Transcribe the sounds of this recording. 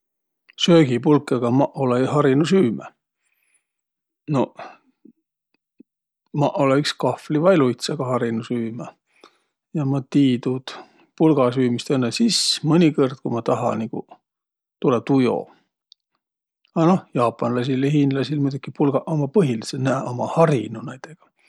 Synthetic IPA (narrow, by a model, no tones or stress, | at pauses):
søːɡ̥ipulkːˑɑɡ̥ɑmɑʔoleɦɑɾinusyːmæ̰ | no̞ | mɑʔoleykskɑflivɑjlujt̪sɑɡ̥ɑhɑɾinusyːmæ | jɑmɑt̪iːd̪ut̪ | pulɡ̥ɑsyːmist̪enːesismɤnʲikerd̪̥̚kumɑt̪ɑɦɑ̰nikṵ | t̪ulet̪ujo̞̰ | ɑnohjɑːpˑːɑnlɑs̬ilehinlɑsilmujd̪ukːipulɡ̥ɑʔomɑpɤɦilisenæːʔomɑhɑrinunæjd̪̥eɡ̥ɑ̥